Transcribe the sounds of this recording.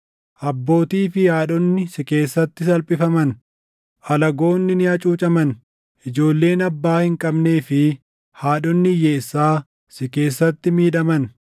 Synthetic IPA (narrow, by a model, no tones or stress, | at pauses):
ʔɐbːo̞ːt̪iːfɪjaːᶑɔnːɪsɪke̞ːsːɐt̪ːɪsɐlpʼɪfɐmɐn | ʔɐlɐɡo̞ːnːɪnɪɐt͡ʃʼuːt͡ʃʼɐmɐn | ʔɪd͡ʒo̞ːlːe̞ːnɐbːaːhɪŋkʼɐbne̞ːfɪ | haːᶑɔnːɪjeːsːaː | sɪke̞ːsːɐt̪ːɪmiːᶑɐmɐn